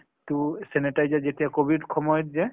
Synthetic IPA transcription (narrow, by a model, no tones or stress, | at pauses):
tusenetajzɛzetijakobʱidkʰɔmɔjɔtzɛ